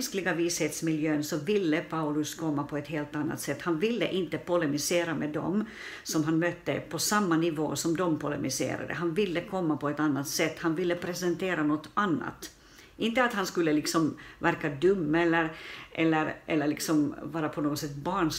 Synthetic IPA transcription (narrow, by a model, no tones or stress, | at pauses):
sklɪɡaviːsheːt̪smɪljøːnsɔvɪlːəpʰaʊlɵskʰɔmːapʰɔɛt̪hɦeːlt̪anːa̰t̪sɛt̪ːhanvɪlːə̰ʔɪnt̪əpɔlɛmɪseːɾamɛd̪ɔ̰m | sɔmɦanmœt̪ːə̰pʰɔsamːanɪvo̰ːsɔmd̪ɔmpʰʊlɛ̰mɪsḛːɾa̰d̪ə̰ɦanvɪlːəkʰɔmːapʰɔɛt̪anːat̪sɛt̪ːhanvɪlːəpʰɾɛsɛnt̪ʰeːɾanɔt̪ːanːa̰t̪ | ʔɪnt̪əat̪hanskɵlːəlɪksɔmvæɾkad̪ɵmːɛlːəɾʔɛlːəɾʔɛlːəɭlɪksɔmvɑːɾapʰɔnoːɡɔt̪sɛt̪ːbɑːɳ